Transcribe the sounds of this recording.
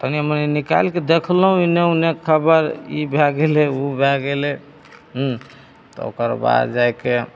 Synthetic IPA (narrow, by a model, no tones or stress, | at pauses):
t̪əniməninika̰jlked̪ekʰlɦũineunekʰəbəɾḭbʱɛɡeleubʱɛɡele | ɦ | t̪ɔ̰o̰kəɾba̰d̪d͡ʒajke